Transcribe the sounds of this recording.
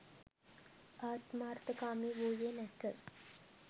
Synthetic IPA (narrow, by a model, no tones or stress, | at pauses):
aːt̪maːɾt̪əkaːmiːʋoːjeːnɛkəz